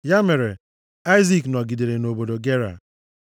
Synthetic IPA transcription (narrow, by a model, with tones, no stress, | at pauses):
ja˦me˨ɾe˨ | a˦ɪ˦zi˦knɔ˨ɡi˨de˨ɾe˨no˨bo˨do˨ɡe˦ɾa̰˨